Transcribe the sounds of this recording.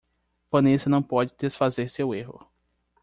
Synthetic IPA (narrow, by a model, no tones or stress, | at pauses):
pɐ̃nesɐnɐ̃w̃pɔd͡ʒɪd̪esfazeɾseweɦʊ̰